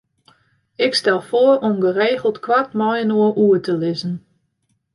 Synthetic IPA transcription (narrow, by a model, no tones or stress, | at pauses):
ɪkstɛlˠfoərɔmɡəreːɣəl̩ˠtkʰwatmɔjnoəʔuətʰəlɪzən̩